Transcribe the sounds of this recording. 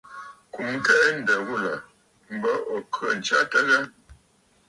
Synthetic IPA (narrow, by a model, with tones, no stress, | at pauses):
ku˨m˦kɛ˦ʔɛ˦n̩˦də˨ɣu˦˨lə˨ | m̩˦bə˦ʔɔ˨kʰɰə˦˨n̩˨t͡ʃa˦tə˦lə˦